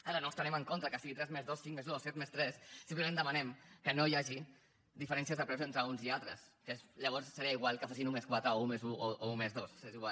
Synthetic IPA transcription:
əlanɔst̪ɾəneməŋkont̪ɾəkəsiɣit̪ɾɛzmezðosːiŋkmezðosːɛt̪mest̪ɾɛsːimpləmẽnd̪əmanɛmkənojaʒi | ðifəɾɛnsiəzðəpɾɛwzent̪ɾəunzialt̪ɾəskesʎəβɔɾssəɾiaiɣwalˠkəfas̬inumeskwat̪ɾəoumezuooumezðosseziɣwal

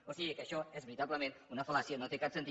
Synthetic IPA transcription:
osiɣəkəʃɔɛzβəɾit̪aβləmẽnunəfəlasjənot̪ekapsənt̪i

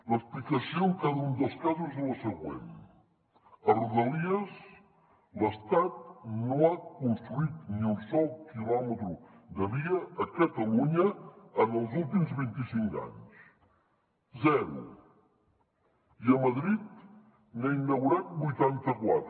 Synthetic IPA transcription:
ləsplikəsioŋkaðəund̪əlˠskazuzðələsəɣwḛn | əruðəliəz | ləst̪at̪̚noakunst̪ɾuit̪niunsɔlˠkilɔmət̪ɾud̪əβiəːkət̪əluɲəənəlˠzulˠt̪̬imzβint̪isiŋka̰ɲs | zɛɾṵ | iəməðɾit̪ | nainːəɣuɾat̪̚bujt̪ant̪əkwa̰t̪

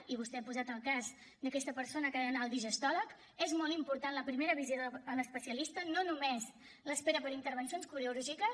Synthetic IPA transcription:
iβ̞ust̪ɛapuzat̪əlˠkaz | d̪əkɛst̪əpəɾsonəkəənalˠd̪iʒəst̪ɔlək | ezmɔlˠt̪impuɾt̪anləpɾimeɾəβizjoðələspəsiəlist̪ənonumez | ləspeɾəpəɾint̪əɾβ̞ənsionskuɾeuɾuʒikə

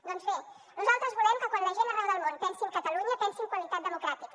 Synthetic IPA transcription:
d̪ɔnzβe | nuzalˠt̪ɾəzβulɛmkəkwanləʒenərɛðəlˠmont̪ɛnsimkət̪əluɲət̪ɛnsimkwəlit̪at̪̚d̪əmukɾat̪ik

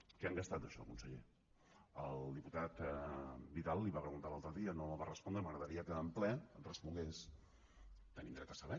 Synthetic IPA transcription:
kaŋɡəst̪at̪̚d̪əʃɔ̰lkunsəʎḛ | əlˠd̪iput̪at̪ | bit̪alˠːiβapɾəɣunt̪alalˠt̪ɾəðiənoəlβarəspɔnd̪ɾəməɣɾəðəɾiəkəːmplɛrəspuŋɡes | t̪ənĩnd̪ɾɛt̪əsəβɛ

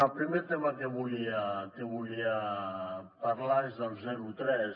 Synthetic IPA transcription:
alpɾimet̪emakeβuliakeβulia | paɾlaezd̪alzɛɾut̪ɾɛs

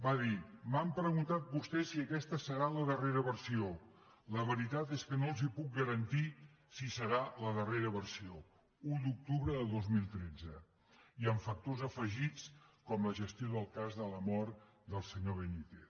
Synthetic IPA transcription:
baðimampɾəɣunt̪at̪̚bust̪ɛsiəkɛst̪əsəɾaləðəreɾəβəɾsio | ləβəɾit̪at̪eskənolˠzipuk̚ɡəɾənt̪i | sisəɾaləðəreɾəβəɾsio | ud̪uk̚t̪uβɾəðəðozmilˠt̪ɾed͡zə | iəɱfək̚t̪ozəfəʒit͡skɔmləʒəst̪ioðəlˠkazðələmɔɾt̪ | d̪əlˠsəɲoβ̞ənit̪e

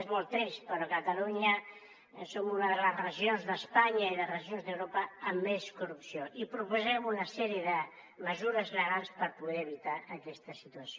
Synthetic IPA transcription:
zmolˠt̪ɛspəɾɔkət̪əluɲə | somunəðəɣlərəʒionzðəspaɲəiðərəʒionzðewɾopəːmːeskurupsioʔipɾupuzɛmunəsɛɾiəðə | məzuɾəzləɣalˠspəɾpuðɛɾːβit̪aəkɛst̪əsit̪uəso

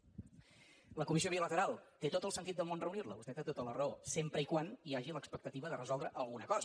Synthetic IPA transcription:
ləkumisioβ̞ilət̪əɾalˠt̪et̪ot̪əlˠsənt̪it̪̚d̪əlˠmonrəunirləβust̪ɛt̪et̪ot̪ələrəosempɾəikwaniaʒiləkspək̚t̪ət̪iβəðərəzɔlˠd̪ɾəʔəlˠɣunəkɔzə

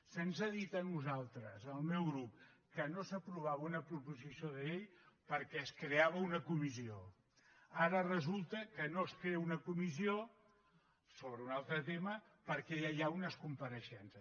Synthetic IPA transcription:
sensəðit̪ənuzalˠt̪ɾəzəlˠmɛwɣɾup̚kənosəpɾuβ̞aβunəpɾupuzisijoðəʎejpəɾkɛəskɾeaβ̞əunəkumizio | aɾərəzulˠt̪əkənoskɾeunəkumizio | soβɾəunalˠt̪ɾət̪eməpəɾkɛʎajaunəskumpəɾəʃɛnsə

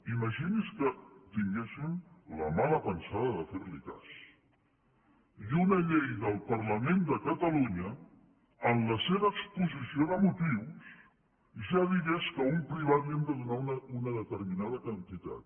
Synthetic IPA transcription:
iməʒiniskət̪iŋɡesimləmaləpənsaðəðəfeɾlika̰s | junəʎejðəlˠpərləmend̪əkət̪əluɲə | ənləseβəːkspuzisioðəmut̪iws | ʒaðiɣeskəumpɾiβaðiəmd̪əðunaunəunəðət̪əɾminaðəkənt̪it̪a̰t̪̚

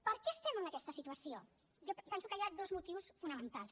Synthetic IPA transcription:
pəɾkɛəst̪ɛmənəkɛst̪əsit̪uəsio | ʒɔpɛnsukəjad̪ozmut̪iwsfunəmənt̪alˠs

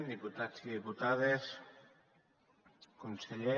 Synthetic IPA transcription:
nd̪iput̪asiðiput̪aðes | konseʎe

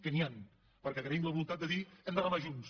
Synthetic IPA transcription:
kənian | pəɾkɛɣɾəimləβulunt̪at̪d̪əðiɛmd̪əɣəfaʒuns

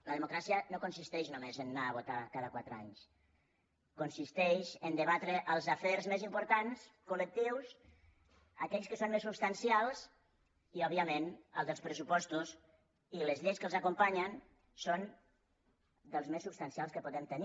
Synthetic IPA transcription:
ləðəmukɾasiənokunsist̪ɛʒnumezənːaːβ̞ot̪akaðəkwat̪ɾəa̰ɲs | kunsist̪ɛʃənd̪əβat̪ɾəʔəlˠzəfɛɾzmezimpuɾt̪anskulək̚t̪iws | əkɛʎskəsonmesːupst̪ansialˠz | iɔβiəmenə̰lˠd̪əlˠspɾəs̬upɔst̪uz | iləzʎejskəlzakumpaɲən | son | d̪əlˠzmesːupst̪ansialˠskəpuðɛmt̪əni

